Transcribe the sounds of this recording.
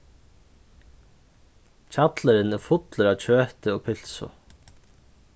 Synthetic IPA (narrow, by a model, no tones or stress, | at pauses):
c͡çʰɑt̪ləɾɪnɛfʊt̪ləɾɑːc͡çʰøːt̪əoːpʰɪl̥sʊ̰